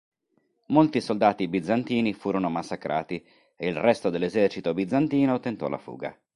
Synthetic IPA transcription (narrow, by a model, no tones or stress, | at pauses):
molt̪isold̪aːt̪ibid̪zant̪iːnifuːɾonomasːakɾʔa̰ːt̪i | eilrɛst̪od̪elːezɛrt͡ʃit̪obid̪zant̪iːnot̪ent̪ɔ̰lːʔa̰fṵːɡa̰